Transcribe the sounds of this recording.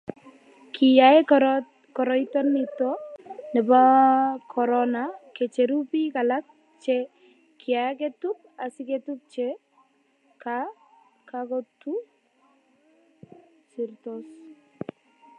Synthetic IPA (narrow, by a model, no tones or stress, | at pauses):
kʰijae | kɔɾɔjt̪ɔnːitɔnɛbakʰɔɾɔnaket͡ʃeɾupikalak̚ | t͡ʃɛ | kʰɪak̬etup̚ | asɪketup̚t͡ʃɛ | ka | kakɔtu | sirt̪ɔs